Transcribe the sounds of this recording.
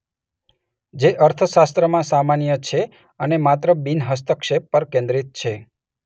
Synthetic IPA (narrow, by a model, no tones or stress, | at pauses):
d͡ʒeʔəɾt̪ʰəʃast̪ɾəmãsamanjət͡ʃʰe | ənemat̪ɾəbinɦəst̪əkʃepːəɾkẽnd̪ɾit̪̚t͡ʃʰe